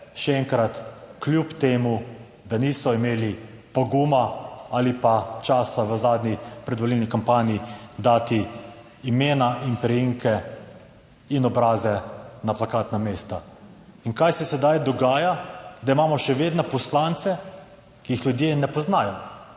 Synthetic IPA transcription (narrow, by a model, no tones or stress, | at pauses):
ʃɛɛŋkɾat̪klʲjupt̪eːmu | d̪aniːsɔimeːli | poɡuːmaalipat͡ʃaːsaʋəzaːd̪nipɾɛd̪ʋɔlilnikampaːniid̪aːt̪iː | meːnaʔinpɾɛjiŋkɛ | inɔbɾaːzɛnaplakaːt̪nameːst̪a | iŋkajsɛsɛd̪ajd̪ɔɡaːjad̪aimaːmɔʃɛʋeːd̪nɛpɔslant̪sɛ | kijixljud̪jenɛpɔznaːjɔ